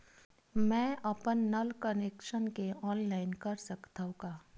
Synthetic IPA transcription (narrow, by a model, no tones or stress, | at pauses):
mɛ̃ːʔɐpənːɐlkəneːkʃənkeɔːnlaːɪnkɐɾsɐkt̪aũɡaː